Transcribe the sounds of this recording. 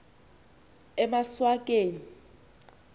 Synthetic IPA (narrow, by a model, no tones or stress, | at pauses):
ɛmaswak̬ʼeːni